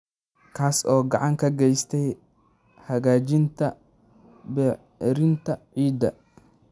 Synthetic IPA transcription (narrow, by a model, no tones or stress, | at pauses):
kʰaːsɔːɡɑʕɑŋkʰɐɡɛjst̪ʰɛj | hɐɣaːt͡ʃɪnt̪ʰɐ | bɛ | ɾɪnt̪ʰɐʕiːd̪ɐ̰